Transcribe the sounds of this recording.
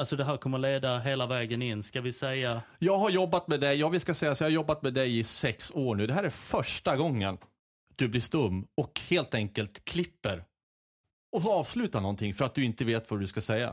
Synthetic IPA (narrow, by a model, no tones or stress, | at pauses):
alsɔd̪ɛɦæːɾkʰɔmːəɭeːd̪aɦeːlavɛːɡənɪnːskavɪsɛjːajɑːɡɦaɾjɔbːat̪mɛd̪ɛjɑːvɪskasɛjːasjɑːhaɾjɔbːat̪mɛːd̪ɛjɪsɛksoːɳʉ̟ːd̪ɛɦæːɾæɾfœʂʈaɡɔŋːən | d̪̥ɵblɪʂt̪ɵmːɔkheːlt̪ɛŋkəlt̪kʰlɪpːəɾ | ɔfɑːvslʉ̟ːt̪anɔnt̪ʰɪŋfœɾat̪̚d̪ɵɪnt̪əveːt̪vadɵskasɛjːa̰